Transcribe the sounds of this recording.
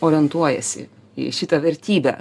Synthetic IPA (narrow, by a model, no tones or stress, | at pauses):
oːɾʲɪɛnt̪uɔjɛ̰sʲɪ̰ | ḭʃʲɪt̪ɐʋʲɛɾʲt̪ʲiːbʲɛ̰